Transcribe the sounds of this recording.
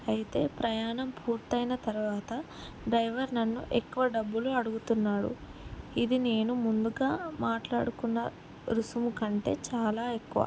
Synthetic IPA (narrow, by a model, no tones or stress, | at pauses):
ɐjit̪e̞ːpɾɐjaːɳɐmpʰuːɾt̪ɐjnɐt̪ɐɾuʋaːt̪ɐ | ɖɾɐjʋɐɾnɐnːṵʔekːuʋɐɖɐbːuluɐɽuɡut̪unːaːɽṵid̪ine̞ːnumund̪uɡaːmaːʈla̰ːɽukunːɐ | ɾusumukɐɳʈe̞̰ːt͡ʃaːlaːekːuʋa̰